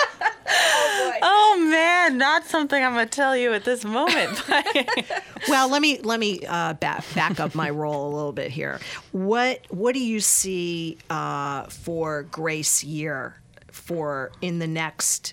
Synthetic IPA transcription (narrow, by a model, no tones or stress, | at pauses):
oʊmæ̃nːətsʌ̃mθɪ̃ŋãɪ̃mtʰɛlˠjɨɨt̪̚ðɪsmõʊ̃mɨ̃nt̚b̥ʌ | wɛlˠlɛt̚milɛt̚miʌbæ̰b̥ækʌp̚maɪɹoʊlˠəlɪɾl̩ˠbɪ̰t̚ɦḭɹwʌt̚wʌt̚d̥ɨjɨsiʌfə˞ɡɹeɪsjɪɹ | fə˞ɪ̃nðɨnɛkst